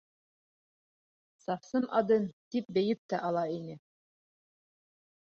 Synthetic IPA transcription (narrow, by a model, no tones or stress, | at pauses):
sɑfsɤmʔɑd̪ɤnt̪ip̚bɘ̆jɘp̚t̪æʔɑlˠɑinɘ